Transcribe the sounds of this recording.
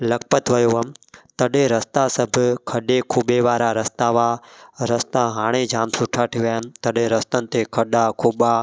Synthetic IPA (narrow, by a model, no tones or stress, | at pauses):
lɐkpət̪ʋɐjoəmt̪ɐɗẽɾəst̪asəbʱkʰəɗekʰuːɓeʋaːɾaɾəst̪aːʋaːɾəst̪aɦaːɽ̃ed͡ʒʱaːmsʊʈʰaʈʰiʋanɪ̆t̪əɗẽɾəst̪ənɪ̆t̪ekʰəɗakʰuːɓa